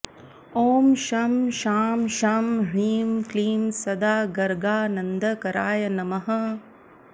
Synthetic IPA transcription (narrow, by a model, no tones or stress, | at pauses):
oːmʃamʃaːmʃaːmɾiːmkliːmsɐd̪aːɡɐɾɡaːnɐnd̪ɐkɐɾaːjɐnɐmɐɦɐ̆